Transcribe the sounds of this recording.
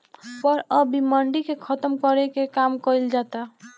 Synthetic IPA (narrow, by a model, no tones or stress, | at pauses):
pəɾəbiməɳɖikekʰət̪əmkəɾekekamkəjld͡ʒat̪a